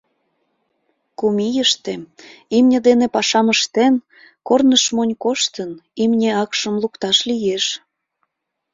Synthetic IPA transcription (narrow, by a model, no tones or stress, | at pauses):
kumijəʃt̪eimnʲə̆d̪enepɑʃɑməʃt̪en | kornəʃmonʲkoʃt̪ənimnʲeɑkʃəmlukt̪ɑʃlijeʃ